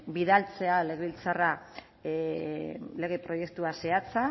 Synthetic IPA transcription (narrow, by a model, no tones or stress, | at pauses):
biðalt͡se̞ale̞ɣeβilt͡sara | le̞ɣ̞epɾo̞je̞kt̪uase̞at͡sa